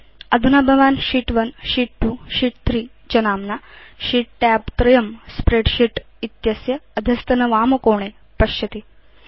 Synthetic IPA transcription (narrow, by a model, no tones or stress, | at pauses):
ɐd̪ʱunɐbʱɐʋaːnʃiːʈʋɐnʃiːʈ̚ʈuːʃiːʈt̪ʰɾiː | t͡ʃɐnaːmnaʃiːʈ̚ʈaːpt̪ɾɐjɐmspɾeːɖʃiʈ | it̪jɐsjɐːd̪ʱɐst̪ɐnɐʋaːmɐkoːɳeː | pɐʃjɐt̪i